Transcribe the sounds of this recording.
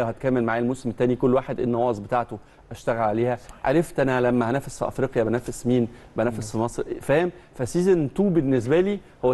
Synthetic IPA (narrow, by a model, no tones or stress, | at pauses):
hæt̪̚kæːmelmaʕaːjlmosemt̪ːæːnikolːwaːħed̪ʔḛnːɑwɑːzˤbet̪aːʕt̪o | ʔæʃt̪æɣælʕaleːhæʕa̰ɾˤeft̪ʔænælæmːæhænæːfesfiʔɑ̰fɾiːqjæbænæːfesmiːnbænæːfesfimɑsˤɾfæːmfæsiːzent̪uːbenːes̬bæliː | howːæ